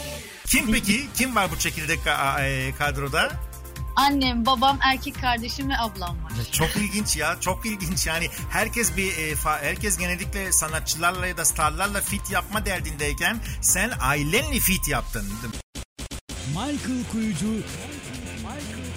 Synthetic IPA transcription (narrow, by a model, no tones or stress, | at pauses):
cʰimpecʰicʰimvaɾbut͡ʃʰe̞cʰilʲd̪ɛkaɛkʰad̪ɾo̞d̪a | anːembabamʔæɾcʰɛcʲkʰːaɾd̪eʃimiablˠanmat͡ʃʰo̞kilʲɟint͡ʃjat͡ʃʰo̞kilʲɟint͡ʃjaːnihæɾcʰɛsbifahæɾcɛs̬ɟe̞nelʲicʲlʲɛsanat̪̚t͡ʃʰːɯlˠaɾlˠajad̪ast̪ʰaɾlˠaɾlˠafit̪ʰjapmad̪æɾd̪ind̪ɛɾcʰænsænajlʲɛnlʲifit̪jap̚t̪ʰɯnd̪ed̪im | majkɯlˠkʰujud͡ʒu